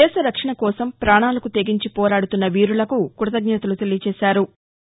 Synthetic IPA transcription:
ɛːʃɐɾɐkʂɐɳɐkɔːsɐmpɾaːɳaːlɐkut̪eɡiɲt͡ʃipɔːɾaːɽut̪unːɐʋiːɾulɐkukuɾɐt̪ɐɡɲɐt̪ɐlut̪elit͡ʃɛːʃaːɾu

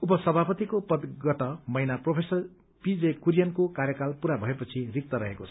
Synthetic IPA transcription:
upʌsʌbʱapʌt̪ikopʌd̪ɡʌt̪ʌmʌjnapropʰesʌr | pid͡zekuɾjʌnkokarjʌkalpuɾabʱʌepʌt͡sʰirik̚t̪ʌɾʌɦekot͡sʰʌ̥

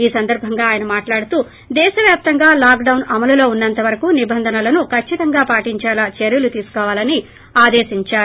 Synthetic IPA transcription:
iːsɐnd̪ɐɾbʱɐŋɡaːjɐnɐmaːʈlaːɽut̪uː | d̪ɛːʃɐʋjaːp̚t̪ɐŋɡaːlaːkɖɐwnɐmɐlulo̞ːunːɐnt̪ɐʋɐɾɐkunibɐnd̪ʱɐnɐlɐnukʰɐt͡ʃːit̪ɐŋɡaːpaːʈiɲt͡ʃaːlɐt͡ʃeɾjulut̪iːsu̥kɔːʋaːlɐni | aːd̪eːʃiɲt͡ʃaː

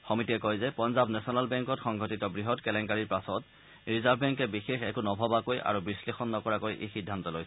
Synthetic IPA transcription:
xɔmitiɛkɔjzɛpɔnzabnɛsɔnalbɛŋkɔtxɔŋɡʱɔtitɔbɹiɦɔtkɛlɛŋkaɹiɹpasɔt | ɹizabʱbɛŋkɛbixexɛkunɔbʱɔbakojʔa̰ɹubislexɔnːɔkɔɹakojʔḛxidʱːantɔlojs

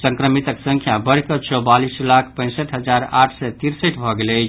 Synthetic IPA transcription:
səŋkɾəmit̪əksə̃ŋkʰjabəɾkət͡ʃɔwbalislakʰpə̃ɪ̃səʈɦəd͡ʒaɾa̰ʈʰsɛt̪iɾsəʈbʱɔɡelət͡ʃʰ

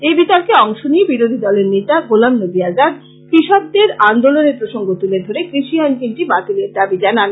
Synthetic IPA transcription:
ebit̪ɔɾkeɔŋʃonijebiɾod̪ʱid̪ɔleɾnet̪aɡolamnod̪iad͡ʑad̪ | kɾiʃɔb̚d̪eɾand̪oloneɾpɾoʃoŋɡot̪uled̪ʱoɾekɾiʃiankinʈibat̪ileɾd̪abid͡ʑanan

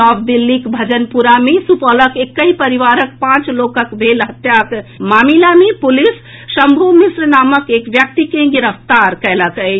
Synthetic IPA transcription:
ɔbd̪ilːikbʱəd͡ʒənpuɾamesupələkekːəipəɾiʋaɾək̚pãt͡ʃlokəkbʱelɦət̪jakmamilamepulis | səmbʱomisɾənaːməkekʋjək̚t̪ikẽɡiɾəft̪aɾkɛləkə

